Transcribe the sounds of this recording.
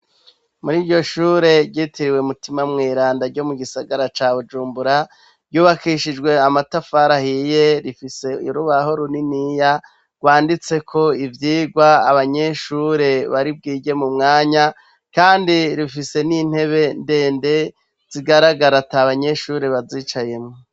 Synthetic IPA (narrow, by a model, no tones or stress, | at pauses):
muɾiːɾɟo̞ʃuːɾe̞ɾɟiːtiɾiwemutimamŋiːɾaːndaɾɟo̞muɡisaɡaɾat͡ʃaːβud͡ʒuːmbuɾa | ɾɟuːβakiʃid͡ʒɡwe̞amatafaɾahije̞ɾifise̞iɾuβaɦo̞ɾuninija | ɡ̥waːndit͡se̞kʰo̞ivjiːɡwaːβaɲe̞ʃuɾe̞βaɾib̚ɡiːɟe̞mumŋaːɲa | kaːndiɾifise̞nin̥he̞βe̞nde̞ːnde̞ | z̥iɡaɾaɡaɾataβaɲe̞ʃuːɾe̞βaziːt͡ʃaje̞mŋo